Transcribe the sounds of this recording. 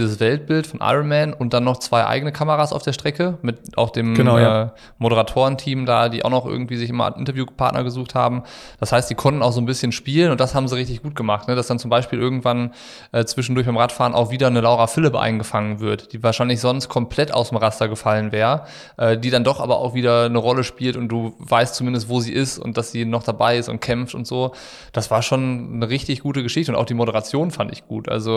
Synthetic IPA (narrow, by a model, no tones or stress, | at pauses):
zəsv̥ɛlt̚b̥ɪltfɔnʔa̰ɪʁonmɛnʊnt̚d̥anːɔχt͡sv̥aɪʔa̰ɪɡənəkʰaməʁasʔa̰ʊfd̥eːɐʃtʁ̥ɛkəmɪtʔa̰ʊxd̥eːməɛː | moɾəʁatʰoːʁəntʰiːmdaːdiːʔa̰ʊxnɔχʔɪ̰ɐɡŋ̩tv̥iːzɪçʔɪmɐ̰nʔɪ̰ntɐvjuːpʰa̰ɐtnʔɐ̰ɡəzuːxtha̰ːbm̩d̥ashaɪstz̥iːkʰɔntn̩aʊxz̥oːnbɪsçənʃpiːlənʊnt̚d̥ashaːbm̩ziːʁɪçtɪçɡ̥uːt̚ɡ̥əmaχtnəd̥asd̥ant͡sʊmbaɪʃpiːlʔɪɐɡŋ̩tv̥an | ʔɛːt͡sv̥ɪʃn̩dʊɐçb̥aɪmʁatfaːʁənʔa̰ʊxv̥iːdɐnəlaʊʁafɪləbəʔa̰ɪnɡəfaŋənvɪɐtd̥iːvaːɐʃaɪnlɪçz̥ɔnst̚kʰɔmpʰl̥ɛta̰ʊsdemʁastɐɡəfalənvɛːʁə | ʔɛːdiːdandɔχʔa̰ːbɐʔa̰ʊxv̥iːdɐnəʁɔləʃpiːltʊnt̚d̥uːvaɪst̚t͡sumɪndəstv̥oːziːʔɪstʊ̰nt̚d̥asz̥iːnɔχd̥abaɪɪstʊ̰nt̚kʰɛmftʊ̰ntz̥oː | d̥asv̥aːɐʃoːnːəʁɪçtɪçɡ̥uːtəɡəʃɪçtəʊntʔa̰ʊxd̥iːmoɾəʁ̞at͡sjoːnfantɪ̰çɡ̥ṵːtʔa̰lzo